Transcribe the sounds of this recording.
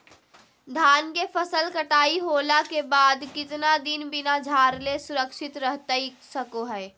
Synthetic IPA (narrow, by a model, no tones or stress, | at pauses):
d̪ʱaːnkefɐsəlkɐʈaːiɦoːlakebaːd̪kɪt̪nad̪ɪnbɪnad͡ʒʱaːɾlesʊɾəkʃɪt̪ɾəɦt̪aisɐkoɦɛː